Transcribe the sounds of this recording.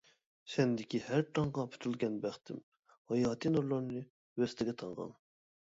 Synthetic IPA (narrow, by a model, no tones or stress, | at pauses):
ʃɛnd̪ɪkʲihæɾʈʰɑŋʁɑpʰy̥t̪ʰylɡʲɛnbæχt̪ʰɪm | hɑjɑːt̪ʰinuɾlˠɑɾnɨ | wɛst̪ʰɪɡʲɛt̪ʰɑŋʁɑ̰n